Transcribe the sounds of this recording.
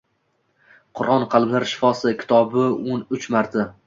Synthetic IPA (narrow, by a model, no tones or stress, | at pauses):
qʰʊɾʔɒnqʰɑlˠmlaɾʃɪ̥fɒsɪkʲʰɪ̥t̪ʰɒbɪonʊt͡ʃmaɾt̪ʰa